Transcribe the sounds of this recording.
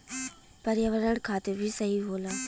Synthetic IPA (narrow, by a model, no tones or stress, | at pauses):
pəɾjəʋəɾəɽkʰaːt̪ebʱisəɦiɦoːlaː